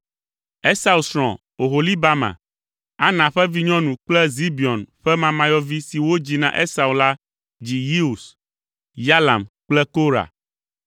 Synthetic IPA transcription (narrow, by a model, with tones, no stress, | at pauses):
ɛ˦sa˨u˨sɾɔ̰̃˨ | o˨ɦo˨li˦ba˦mã̰˨ | a˦nã˨ɸɛ˦vi˦ɲɔ̃˦nũ˨k͡plɛ˦zi˦bi˨ɔ˨nɸɛ˦mã˨mã˨jɔ˦vi˦si˨wo˦d͡ʑi˨nã˨ʔe˦sa˨u˨la˦ | d͡ʑi˨ji˦u˨s | ja˦la̰˨mk͡plɛ˦ko˦ɾa̰˨